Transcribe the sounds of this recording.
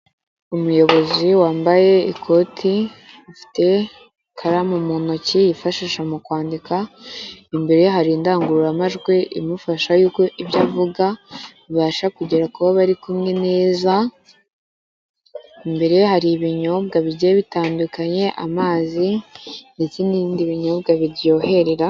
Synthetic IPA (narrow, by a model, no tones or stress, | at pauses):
umujo̞βo̞ziwaːmbaje̞ikʰo̞tʰi | ufi̥te̞ | kʰaɾamumunocijifaʃiːʃamukwaːndika | imbe̞ɾeɦaɾiːndaːŋɡuɾuɾamaʒɡwe̞ʔḭmufaʃajuːko̞ʔibjaːvuɡaβiβaːʃakuɟe̞ɾakuβaβaɾikumŋe̞ne̞ːza | imbe̞ɾe̞haɾiβiɲo̞bɡaβiɾɟeβitaːndukaɲe̞ʔamaːzinde̞t͡se̞niɾiːndiβiɲo̞bɡaβiɾjo̞he̞ɾe̞ɾa